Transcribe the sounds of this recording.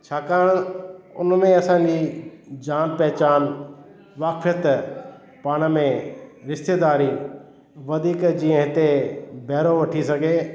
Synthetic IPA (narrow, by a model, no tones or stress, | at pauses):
t͡ʃʰaːkaːɽʊ̰nmẽɐsãːd͡ʑiːd͡ʒaːnpɛːt͡ʃaːn | ʋaːkʰjət̪ | paːɽ̃mẽɾɪst̪eːd̪aːɾiː | ʋɐd̪ʱiːkd͡ʒĩːə̃ɦt̪ebʱɛːɾoʋɐʈʰisəɡʱeː